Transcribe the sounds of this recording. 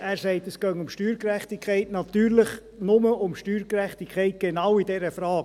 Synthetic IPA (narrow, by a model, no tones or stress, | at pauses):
æːɾsɛɪt̪əsɡ̥œŋʊmʃtyːɾkɾɛχt̪ikʰχɛɪtnɑt̪yːɾlɪχ | nʊməʊmʃtyːɾkɾɛχt̪ikʰɛɪt̪̚ɡ̥enɑwidɛɾəfɾɑː